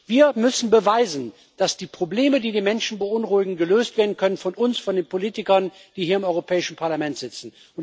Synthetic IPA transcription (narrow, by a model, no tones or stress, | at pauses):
v̥iːɐmʏsn̩bəvaɪzn̩ | d̥asd̥iːpʁ̥obleːmədiːdeːnmɛnʃn̩bəʔʊnʁuɪɡŋ̩ɡəløːstv̥eːɐdn̩kʰœnənfɔnʔʊnsfɔndeːnpoliːtɪkɐn | d̥iːhiːɐɪmʔɔʏʁopʰɛːɪʃn̩pʰaɐlamɛntz̥ɪt͡sn̩ | ʊn